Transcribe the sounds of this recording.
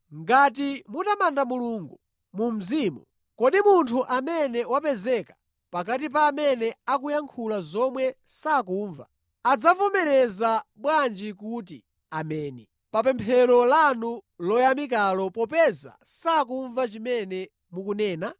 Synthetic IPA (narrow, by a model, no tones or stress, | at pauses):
ŋɡat̬imutamandamuluŋɡu | mum̩ziːmṵ | kɔɗimuntʰuʔamɛnɛwapɛzɛkḁ | pak̬at̬ip̬aːmɛnɛakujaŋkʰulazɔmwɛsakuːɱva̰ | ad͡zavɔmɛɾɛzaɓwand͡ʒikuːt̬i | amɛːnɛ | papɛmpʰɛɾɔlanulɔjamik̬alɔpɔpɛza̰sak̬uɱvat͡ʃimɛnɛ | mukunɛːna